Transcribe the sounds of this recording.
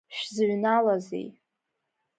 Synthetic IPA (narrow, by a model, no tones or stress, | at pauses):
ʃᶣzʕʷnalazḛj